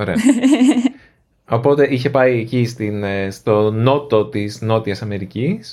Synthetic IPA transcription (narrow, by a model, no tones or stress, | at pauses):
oɾe̞ɐ | o̞po̞t̪e̞içe̞pɐiecist̪inst̪o̞no̞t̪o̞t̪izno̞t̪iɐsɐme̞ɾicis